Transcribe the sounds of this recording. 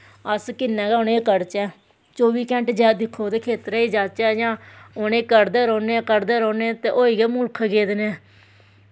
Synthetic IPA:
əskɪnːɛ̃ːɡɛːʊneːkəɾt͡ʃɛː | t͡ʃoːʋiːkɛ̃ːɳʈd͡ʒɛːd̪ɪkʰːoːd̪eːkʰeːt̪ɾɛːiːd͡ʒaːt͡ʃɛːjãːʊneːkəɾd̪eːɾoːneːkəɾd̪eːɾoːneːt̪eːʔoːiːɡeːmʊlkʰɡeːd̪nɛː

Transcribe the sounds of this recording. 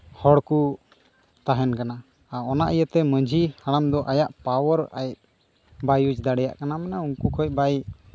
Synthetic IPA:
hɔɽku | t̪aɦɛnkana | aɔnaʔijət̪ɛməd͡ʒʱihaɽamd̪ɔʔajaʔpawɔɾa̰j̚ | bajud͡ʒd̪aɽɛja̰ʔkanamɛnauŋkukʰəj̚baj

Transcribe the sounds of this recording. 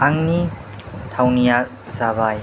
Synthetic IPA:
ʔaŋnitʰawnija | zabaj

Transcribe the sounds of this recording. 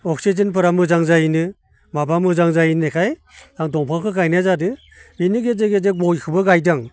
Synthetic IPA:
ɔk̚sezɯnpʰɯɾamɯzaŋzainɯ | mabamɯzaŋzajinekʰaj | daŋdɔŋpʰaŋkʰɯkajnazadɯ | inɯɡezeɡezebɔjkʰɯbɯɡajdaŋ

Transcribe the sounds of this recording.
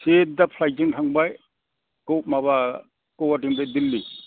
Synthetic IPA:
set̚dapʰlajd͡ʒiŋtʰaŋbaj | kowt̚maβa | kowatiŋdajdilːi

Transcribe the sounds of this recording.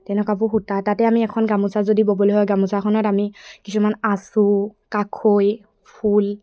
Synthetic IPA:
tɛnɛkapʊxutatatɛamiɛkʰɔnɡamusazodiboboloɦɔjɡamusakʰɔnɔtamikisumanasukakʰoj | pʰul

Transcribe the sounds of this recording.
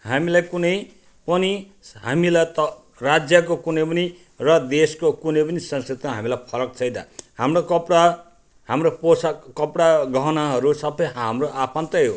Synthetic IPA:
ɦamilajkunʌj | pʌni | ɦamilajt̪ʌ | rad͡zjak̬okunʌ̃jpʌni | rʌd̪eskokunʌ̃jpʌnisʌ̃nskit̪maɦamilajpʰʌɾʌkt͡sʰʌjd̪a̰hamrokʌpɽa | hamroposakʌpɽaɡʌɦnaɦʌɾusʌbʌjɦamroʔapʰant̪ʌjɦo

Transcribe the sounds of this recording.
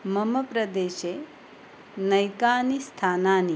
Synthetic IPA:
mɐmɐpɾɐd̪eːʃeː | nɐjkaːnist̪ʰaːnaːni

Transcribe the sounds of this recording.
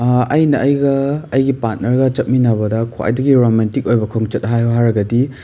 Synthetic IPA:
ɐjnɐʔɐjɡɐːjɡipat̚nɐɾɡɐt͡ʃɐt̚minabɐdɐkʰoa̰jdɐɡiɾomantik̚ojbɐkʰoŋt͡ʃɐt̚ɦajɦaɾɐɡɐdi

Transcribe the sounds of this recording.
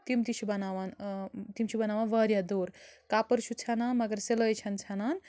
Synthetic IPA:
t̪imt̪it͡ʃʰubɐnaʋant̪imt͡ʃʰubɐnaːʋanʋɐɾjad̪oːɾkapɐɾt͡ʃʰut͡sʰɐnanmɐɡəɾselojt͡ʃʰɐnt͡sʰɐnan

